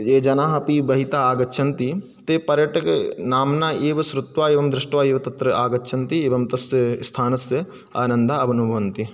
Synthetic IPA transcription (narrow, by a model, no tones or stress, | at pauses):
eːd͡ʒɐnaːɦɐpibɐɦit̪aːaːɡɐtːʃʰɐnt̪i | t̪eːpɐɾjɐʈɐknaːmnaːeːʋɐsɾut̪ʋaːeːʋɐmd̪ɾɪʂʈʋaːeːʋɐt̪ɐt̪ɾɐʔaːɡɐtːʃʰɐnt̪ieːʋɐmt̪ɐsjɐst̪ʰaːnɐsjɐ | a̰ːnɐ̃nd̪ʱaɐbɐnubʱɐʋɐnt̪i